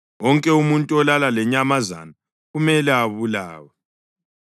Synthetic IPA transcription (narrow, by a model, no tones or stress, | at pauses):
wɔŋkʼɛumuntʼuɔlalalɛɲamaza̰na | ɣumɛlɛaβula̰ːwɛ